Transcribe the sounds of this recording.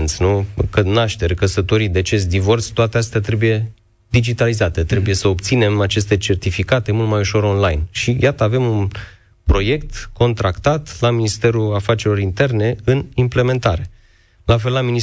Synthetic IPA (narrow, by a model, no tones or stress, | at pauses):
nt̪sʲnukənaʃt̪e̞ɾkəsət̪o̞ɾid̪eat͡ʃe̞s̚d̪ivo̞rt̪sʲt̪oat̪east̪at̪ɾe̞buje̞ | d̪id͡ʒit̪alizat̪e̞t̪ɾe̞buje̞səopt̪sine̞mat͡ʃe̞st̪e̞t͡ʃe̞rt̪ifikat̪e̞mult̪majuʃo̞ɾo̞nlajnʃijat̪əave̞mun | pɾo̞je̞kt̪ko̞nt̪ɾakt̪at̪laminist̪e̞ɾuafat͡ʃe̞ɾlo̞ɾint̪e̞rne̞ɨnimple̞me̞nt̪aɾe̞ | lafe̞lːamini